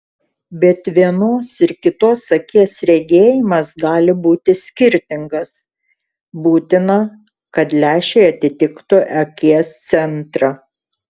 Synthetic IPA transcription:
bʲɛt̪ʋʲiɛnoːsɪɾkʲɪt̪oːsɐkʲiɛsɾʲɛɡʲeːjɪmɐsɡɑːlʲɪbuːt̪ʲɪsʲkʲɪɾʲt̪ʲɪŋɡɐs | buːt̪ʲɪnɐ | kɐt̪lʲæːʃʲɛɪɐt̪ʲɪt̪ʲɪkt̪ʊʔɛkʲiɛst̪sʲɛnt̪ɾɑ

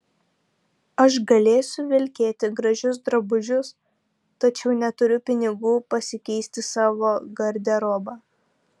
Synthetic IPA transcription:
ɐʃɡɐlʲeːjsʲʊʋʲɪlʲkʲeːt̪ʲɪɡɾɐʒʲʊs̬d̪ɾɐbʊʒʲʊs | t̪ɐt͡ʃʲɛʊnʲɛt̪ʊɾʲʊpʲɪnʲɪɡuːpɐsʲɪkʲɛɪsʲt̪ʲɪsɑːʋoːɡɐɾʲd̪ʲɛɾoːbɑː

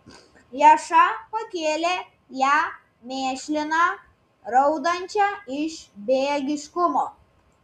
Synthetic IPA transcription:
jɛʃɐpɐkʲeːlʲeː | jæː | mʲeːʃʲlʲɪnɑ | ɾɐʊd̪ɐnʲt͡ʃʲæɪʃbʲeɡʲɪʃkʊmoː

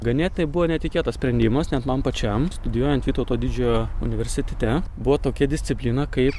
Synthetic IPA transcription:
ɡɐnʲeːt̪ʲɪnɐɪbuʋoːnʲɛt̪ʲɪkʲeːt̪ɐssʲpʲɾʲɛnʲd̪ʲiːmɐsnʲɛt̪mɐmpɐt͡ʃʲɛmst̪ʊd̪ʲɪjuɔjɛnt̪ʋʲiːt̪oʊt̪oːd̪ʲiːd͡ʒʲoːjoʊ̰nʲɪʋʲɛɾʲsʲɪt̪ʲɛt̪ʲɛbuʋoːt̪oːkʲɛd̪ʲɪsʲt̪ʲɪpʲlʲiːnɐkɐɪp

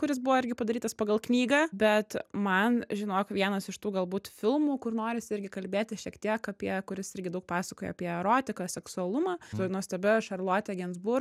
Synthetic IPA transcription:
kʊɾʲɪs̬bʊʋɔɪɾʲɡʲɪpɐd̪ɐɾʲiːt̪ɐspɐɡɐlˠknʲiːɡɑbʲɛt̪mɐnʒʲɪnoːkʋʲiɛnɐsɪʃt̪uːɡɐlˠbuːt̪fʲɪlˠmuːkʊrnoːɾʲɪsʲɪɾʲɡʲɪkɐlʲbʲeːt̪ʲɪʃʲiɛkt̪ʲiɛkɐpʲiɛkʊɾʲɪsɪɾʲɡʲɪd̪ɐʊk̚pɑːsɐkoːjɛ̰ɐpʲiɛɛɾoːt̪ʲɪkɐsʲɛksʊɐlˠʊmɑːt̪ʊnuɔsʲt̪ʲɛbʲɪʃɐrlˠoːt̪ʲɛɡʲɛnzbʊɾ

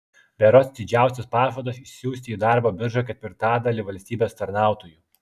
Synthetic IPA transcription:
bʲɛɾoːsd̪ʲɪd͡ʒʲæˑʊsʲɛspɑːʒʋod̪osɪʃʲsʲjuːsʲt̪ʲiːd̪ɑˑɾboːbʲɪɾʒɐkʲɛt̪ʲʋʲɪɾt̪ɑːd̪ɐlʲiʋɐlʲsʲt̪ʲiːbʲeːst̪ɐɾnɑˑʊt̪oːjuː

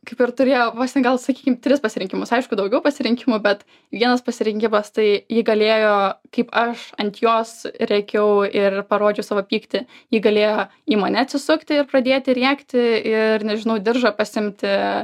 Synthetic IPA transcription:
kɐɪpɪɾt̪ʊɾʲeːjoːpɑːsʲt̪ʲɛnɡɐlˠsɐkʲiːkʲɪmt̪ʲɾʲɪspɐsʲɪɾʲɪŋʲkʲɪmʊsɐɪʃkʊd̪ɐʊɡʲɛʊpɐsʲɪɾʲɪŋʲkʲɪmʊbʲɛt̪ | ʋʲiɛnɐspɐsʲɪɾʲɪŋʲkʲɪmɐst̪ɐɪjɪːɡɐlʲeːjoːkɐɪpɐʃɐnʲt̪ʲjoːsɾʲɛkʲɛʊɪrpɐɾoːd͡ʒʲoʊsɑʋoːpʲiːkt̪ʲɪjiːɡɐlʲeːjoːiːmɐnʲɛɐt̪ʲsʲɪsʊkt̪ʲɪɪrprɐd̪ʲeːt̪ʲɪɾʲiɛkt̪ʲɪɪrnʲɛʒʲɪnɐʊd̪ʲɪrʒɐpɐsʲɪmʲt̪ʲɪ

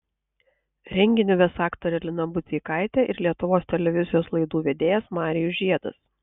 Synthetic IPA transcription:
ɾʲɛŋʲɡʲɪnʲɪʋʲesɑːkt̪oɾʲɛlʲɪnɐbʊt̪sʲikɑˑɪt̪ʲɛʔɪɾlʲiɛt̪ʊʋoːst̪ʲɛlʲɛʋʲɪzʲɪjoːslˠɐɪd̪uːʋʲeːd̪ʲeːjɛsmɑːɾʲɪjʊʒʲiɛd̪ɐ̰s

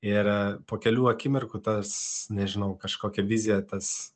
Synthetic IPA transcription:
ɪɾpoːkʲɛlʲuːɐkʲɪmʲɪrkʊt̪ɐsnʲɛʒʲɪnɐʊkɐʃkoːkʲɛʋʲizʲɪjɛt̪ɐs

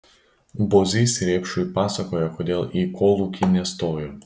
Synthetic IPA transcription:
boːzʲiːsʲɾʲeːpʃʊjpɑːsɐkoːjɛkoːd̪ʲeːlˠiːkʰoːlˠuːkʲɪnʲɛst̪oːjo

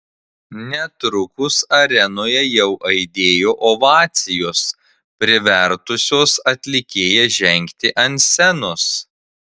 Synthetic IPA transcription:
nʲɛt̪ɾʊkʊsɐɾʲɛnoːjɛjɛʊʔɐɪd̪ʲeːjoːʔoʋɑːt̪sʲɪjoːs | pʲɾʲɪʋʲɛɾt̪ʊsʲoːsɐt̪ʲlʲɪkʲeːjɛʒʲɛŋʲkt̪ʲɪʔɐnʲtsʲɛnos

